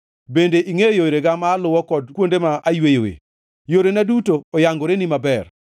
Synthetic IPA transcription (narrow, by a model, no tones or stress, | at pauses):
bendeʔiŋejoɾeɡamaːlʊwɔkɔdkwondemaʔajwejo̰wḛ | joɾenadutoːjaŋɡoɾenimabɛr